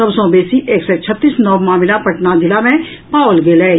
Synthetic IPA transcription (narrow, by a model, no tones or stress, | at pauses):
əbsõːbeːsiʔeːksɛt͡ʃʰət̪ːiːsnɔʋmaːmɪlapəʈnad̪ɪlamẽ | paːʋlɡeːlɛː